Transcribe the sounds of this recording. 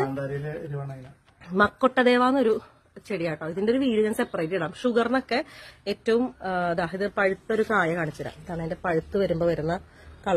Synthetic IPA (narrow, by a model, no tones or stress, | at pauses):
ɳɖaːɾɐileoɾuʋɐɳɐjilɐ | mɐkːoʈːɐðe̞ːʋaːnːo̞ɾu | t͡ɕe̞ɽijaːkːaiðindeo̞ɾuʋiːɽuɣɐnsepːɐrɐjtːiɽaːmʂuɣɐrno̞kːe̞eːtːɐʋumːd̪aːɦiðɨpɐɻut̪ːɐɾukaːjɐkaːɳit͡ɕːiɾa̰ːmðaːɳeende̞pɐɻut̪ːuʋɐɾumboːʋɐɾunːɐ | kɐɭɐ